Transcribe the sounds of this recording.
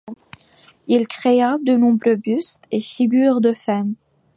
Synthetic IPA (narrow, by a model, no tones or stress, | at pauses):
ilkχead̪ənɔ̃bʁøbyst̪efiɡʲyʁd̪əfam